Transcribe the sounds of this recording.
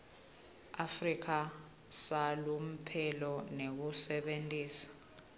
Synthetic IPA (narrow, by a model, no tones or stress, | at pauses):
afrik̬ʰa | salum̩pʰɛlɔnek̬usɛɓentʼiːsḁ